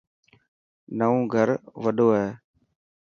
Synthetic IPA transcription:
nəõːɡʱəɾʋəɗʱoːɦeː

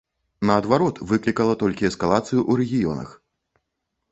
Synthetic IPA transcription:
nɐːd̪vaɾɔt̪vɨklʲikɐlˠɐt̪ɔlʲkʲiɛskalˠat̪sɨjuʔuɾɛɣʲijɔnɐ̰x

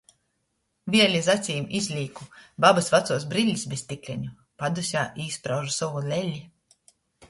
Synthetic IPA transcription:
vʲiɛlʲizat̪sʲiːmizʲlʲiːkubabasvat̪suɔs̬bɾilʲːisbest̪ʲikʲlʲɛɲu | pad̪usʲaːʔiːspɾawʒusɔulʲɛlʲːi

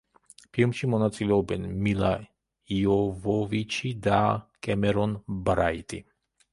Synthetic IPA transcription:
pʰilˠmʃimɔnat̪sʼilɛɔbɛnmilˠa | iɔvɔvit͡ʃʰid̪akʼɛmɛɾɔnbɾait̪ʼḭ

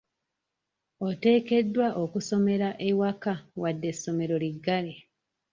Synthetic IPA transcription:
ote̞ːke̞dːwaʔokuso̞me̞ɾaʔewakawadːe̞sːo̞me̞ɾo̞liɡːale

